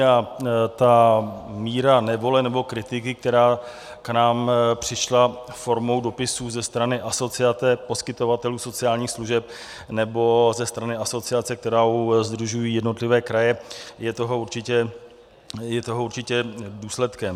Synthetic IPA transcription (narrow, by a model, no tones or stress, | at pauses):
at̪amiːɾanɛvo̞lɛnɛbo̞kɾɪt̪ɪkɪk̚t̪ɛɾaː | knaːmpr̝̥ɪʃla | fo̞ɾmo̞wdo̞pɪsuːzɛst̪ɾanɪʔaso̞t͡sɪat͡sɛpo̞skɪt̪o̞vat̪ɛluːso̞t͡sɪaːlɲiːxsluʒɛp̚ | nɛbo̞zɛst̪ɾanɪaso̞t͡sɪat͡sɛk̚t̪ɛɾaːuzd̪ɾuʒujiːjɛdno̞t̪lɪvɛːkɾajɛjɛt̪o̞ɦo̞uɾt͡ʃɪcɛ | jɛt̪o̞ɦouɾt͡ʃɪcɛduːslɛt̪kɛm